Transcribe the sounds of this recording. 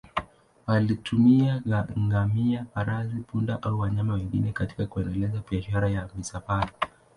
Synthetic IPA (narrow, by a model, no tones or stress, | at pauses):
walitumiaɡaŋɡamiapaɾazipunda̰ʔauwaɲamawɛŋɡḭnɛkati̥kakuɛndɛlɛzabiaʃaɾajamisapala